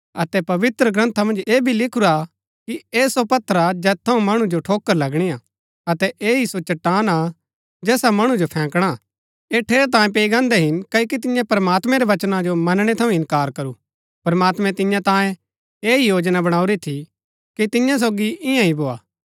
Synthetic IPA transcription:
ɐt̪ɛpɐʋɪt̪ɾəɡɾɐ̃nt̪ʰamɐ̃nd͡ʒeːbʱilɪkʰʊɾa | kieːsopɐt̪ʰːəɾad͡ʒɛːt̪ʰːɐũmɐɽ̃ũd͡ʒoʈʰoːkːəɾlɐɡɽ̃ija | ɐt̪ɛʔeːisot͡ʃɐʈːaːna | d͡ʒɛːsamɐɽ̃ũd͡ʒopʰɛ̃ːkɽ̃a | eːʈʰeːɾt̪̬ãːj̃p̬eːiɡãːnd̪ɛɦɪnkɐok̬it̪̬ɪjãpɐɾmaːt̪mɛ̃ɾeʋɐt͡ʃnad͡ʒomɐnɽ̃et̪ʰɐũɪ̃nkaːɾkɐɾu | pɾmaːt̪mɛ̃t̪ɪjãt̪ãːjẽ | eːijoːd͡ʒnabɐɽ̃aːuɾit̪ʰi | kit̪ɪjãs̬oːɡiɪjãĩboːaː

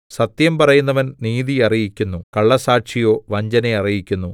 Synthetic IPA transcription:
sɐt̪jɐmpɐrɐjunːɐʋɐnniːðiɐrijikʲːunːukɐɭːɐsaːʈʂijo̞ːʋɐɲd͡ʑɐneɐrijikʲːunːu

